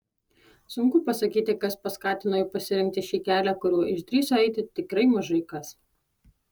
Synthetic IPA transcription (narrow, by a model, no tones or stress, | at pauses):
sʊŋkʊpɐsɐkʲiːt̪ʲɪkɐspɐskɑːt̪ʲɪnoːjɛpɐsʲɪɾʲɪŋʲk̚t̪ʲɪʃʲiːkʲæːlʲækʊɾʲuːʔɪʃt̪ʲɾʲiːsoɛɪt̪ʲɪt̪ʲɪkɾɐɪmɐʒɐɪkɐs